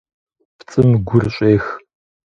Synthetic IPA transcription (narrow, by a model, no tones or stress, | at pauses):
pt͡sʼɨmɡʷʊrɕʼeːx